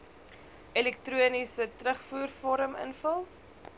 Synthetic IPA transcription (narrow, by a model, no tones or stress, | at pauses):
ʔɛlɛk̚truənisətrəχfuːrfɔɾəmə̰nfəlˠ